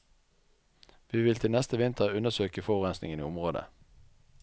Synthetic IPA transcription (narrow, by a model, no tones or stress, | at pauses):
ʋiːʋɪlt̪ʰɪlnɛst̪əʋɪnt̪ʰəʁʉnəsøːkəfɔʁʁɛnsnɪ̰ŋənḭːʊmʁoːd̪ə̰